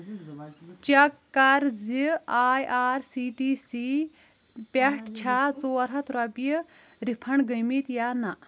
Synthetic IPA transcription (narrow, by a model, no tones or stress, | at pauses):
t͡ʃɐkː | ɐɾziaːjʔaːɾsiːʈiːsi | pɛʈʰt͡ʃʰat͡soːɐɾɦɐt̪ɾɐbj | ɾipʰɐɳɡəjmit̪jaːnaʔ